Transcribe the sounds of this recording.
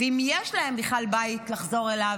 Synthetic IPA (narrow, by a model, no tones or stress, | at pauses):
veimjeʃlahe̞mbiχalbaitlaχzo̞ʁela